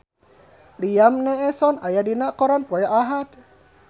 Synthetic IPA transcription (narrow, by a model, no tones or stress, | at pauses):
lijamneʔesɔnajadinaʔkɔɾanpɔjaʔaɦat̪̚